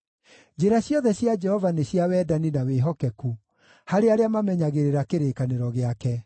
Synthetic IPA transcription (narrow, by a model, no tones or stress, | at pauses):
d͡ʒeɾaɕjɔðɛɕjad͡ʒɛhɔvaneɕjawɛːdaninaweɦɔkɛku | haɾeaɾeamamɛɲaɣeɾeɾakeɾekaneɾɔɣeakɛ